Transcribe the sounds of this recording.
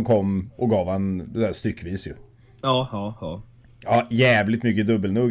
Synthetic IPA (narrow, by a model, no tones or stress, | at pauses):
mkʰɔmːʔɔɡɑːvhand̪æːst̪ʏkːviːsjɵ | ɑː | ɑːjæːvlɪt̪mʏkːəd̪ɵbːəlnuːɡ